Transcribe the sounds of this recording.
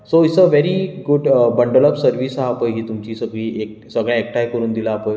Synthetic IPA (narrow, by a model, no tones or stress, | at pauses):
soisəʋeɾiɡuɖbəɳɖələpsəɾʋiːsɦaːpəjɦiːt̪umt͡ɕiːsəɡɭiːeksəɡɭjãek̚ʈʰajkəɾuːnd̪ilaːpəj